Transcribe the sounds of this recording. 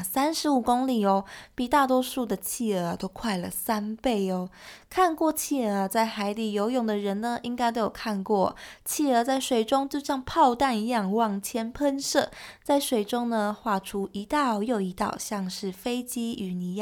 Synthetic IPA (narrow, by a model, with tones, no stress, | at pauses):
sa˥nʂɻ̩˧˥u˨˩kʊ˥ŋli˨˩ɔ˧˦pi˨˩t̪a˥˩t̪̬wɔ˥ʂu˥˩d̪ə˩t͡ɕʰi˥˩ə˧˩˦t̪o˥ʊkʰwa˥˩ɪlə̰˩sa˥npe˥˩ɪɔ˩kʰa˥˧nkwɔ˥˧t͡ɕʰi˥˩ə˧˥t͡sa˥˩ɪxa˧˥ɪli˨˩jo˧˥ʊjʊ˨˩ŋd̪ə˩ɻə˧˥nnə˧ʔi˥ŋka˥ɪt̪o˥ʊjo˨˩ʊkʰa˥˧nkwɔ˥˩t͡ɕʰi˥˩ə˧˥t͡sa˥˩ɪʂwe˨˩ɪʈ͡ʂʊ˥ŋt͡ɕjo˥˧ʊɕjɑ˥˧ŋpʰɑ˥˧ʊt̪a˥˧ni˧˦jɑ˥˧ŋwɑ˥˩ŋt͡ɕʰjɛ˥npʰə˥nʂɤ˥˧t͡sa˥˩ɪʂwe˨˩ɪʈ͡ʂʊ˥ŋnə˨˧xwa˥˩ʈ͡ʂʰu˥i˧˥t̪ɑ˥˧ʊjo˥˨˩ʊi˧˥t̪ɑ̰˨˩ʊɕjɑ˥˧ŋʂɻ̩˥˩fe˥ɪt͡ɕi˥y˨˩ni˨˧˥j